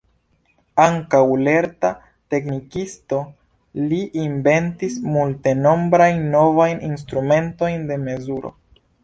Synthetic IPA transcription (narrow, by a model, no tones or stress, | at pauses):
aŋkawle̞ɾta | te̞knikisto̞ | liʔinbe̞ntismulte̞no̞mbɾajnːo̞vajnʔins̬tɾume̞nto̞jnde̞me̞zuɾo̞̰